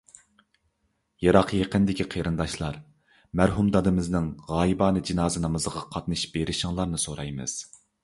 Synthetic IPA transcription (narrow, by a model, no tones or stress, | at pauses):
jɑɾɑqjeqənd̪ɪkʲiqʰeɾɨnd̪ɑʃlˠɑɾ | mæɾɦumd̪ɑd̪ɨmɨznɨŋʁɑːjibɑːnɨd͡ʒinɑːzɨnɑmɨzʁɑqʰɑt̪nɨʃb̥eɾɪʃɪŋlˠɑɾnɨsoɾɑjmɨ̰z̥